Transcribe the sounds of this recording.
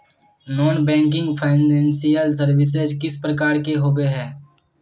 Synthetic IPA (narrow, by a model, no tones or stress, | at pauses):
nɔːnbɛ̃ːŋk̬ɪ̃ŋɡpʰaɪnɛ̃ːnsijəlsəɾʋɪs̬ezkɪspɾəkaːɾkeɦoːbeɦɛː